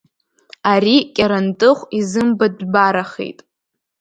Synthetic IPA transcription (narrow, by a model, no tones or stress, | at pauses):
aɾikʲʼaɾantʼɨχʷizɨmbadbaɾaχḛjtʼ